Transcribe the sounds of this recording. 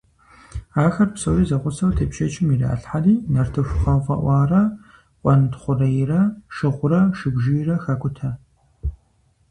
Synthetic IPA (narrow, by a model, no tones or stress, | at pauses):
aːxɐrpsɐwiːzɐʁʷʊsɐwtʰɐpʃɐt͡ʃʼɪmira̰ːɬħariːnɐrtʰɨfʷʊχɐvɐ̰ʔʷɑːrɐ | ʔʷʼɑnɨtχʷʊrɐjrɐʃɨʁʷʊɾɐʃɨbʒɪjrɐxɐkʷʼʊtʰɐ